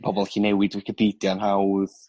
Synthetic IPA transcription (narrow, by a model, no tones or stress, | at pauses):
pʰɔbɔlˠxinɛwɪdwikʰəbidjanhawð